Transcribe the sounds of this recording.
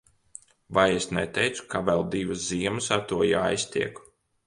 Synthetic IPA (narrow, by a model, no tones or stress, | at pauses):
vajesnɛt̪ɛjt̪su̥kavɛlˠd̪ivɨsziɛmɨsaɾt̪uɔjaːjst̪ʲiɛk